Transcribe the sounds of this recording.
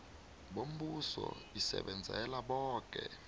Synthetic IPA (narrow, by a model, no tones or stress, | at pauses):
ɓom̩ɓusɔisɛ̰ɓɛnd͡zʱɛlaɓɔːk̬ʼɛ